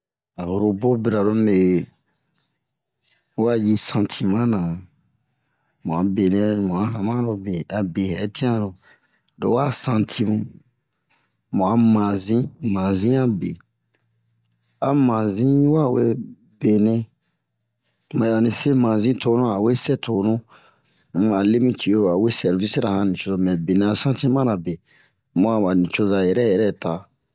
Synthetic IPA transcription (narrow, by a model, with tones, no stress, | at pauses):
a˨hu˨ɾo˧bo˦be˨ɾa˨ɾo˧me˨ | wa˦˨ji˧sã˧tʰi˨mã˦nã˨ | mõ˨ã˨˦be˨nɛ̃˦mũ˨ã˦ɦã˨mã˦ɾo˧be˨a˨be˨hɛ˨˦tʰĩ˦ã˦ɾo˨ | do̰˨˦wa˦˨sã˧tʰi˧mũ˧ | mõ˨a˨˦mã˨zĩ˦mã˨zĩ˦a˦bḛ˨ | a˨mã˨zĩ˦wa˦˨we˦ | b̥e˨nɛ̃˦ | mã˨a˨a˨nĩ˨se˦mã˨zĩ˦tʰo˦nũ˦a˨we˦sɛ˦tʰo˨˦nũ˦ | a˨le˦mĩ˦tʰi˨o˦˨a˨we˦sɛ˨ɾvi˦si˦ɾa˨hã˨nĩ˨t͡ʃo˧˦zo˧˨mɛ̃˨be˨nɛ̃˨a˨sã˦tĩ˦mã˦ɾa˨be˨ | mɔ̃˦a˨ba˨nĩ˨t͡ʃo˧za˨jɛ˨ɾɛ˦jɛ˨ɾɛ˦˨ta˨